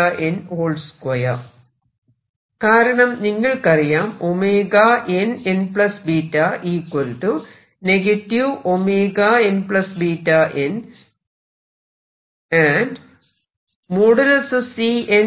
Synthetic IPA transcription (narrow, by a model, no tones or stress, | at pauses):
ɐʔenoːɭɖskwɐjɐ | kaːɾɐɳɐmniŋːɐɭkɐrijaːmomeːɡaʔenenpɭɐsbiːtːɐʔiːkːwolʈːɨ | neɡɐtːiʋomeːɡaenpɭɐsbiːtːɐʔen | anɖ | moːɽɐlɐsɐsien